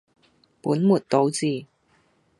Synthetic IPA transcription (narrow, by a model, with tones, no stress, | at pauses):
puː˨˥nmuː˨˩t̚t̪o˨˧˥wt͡siː˨˩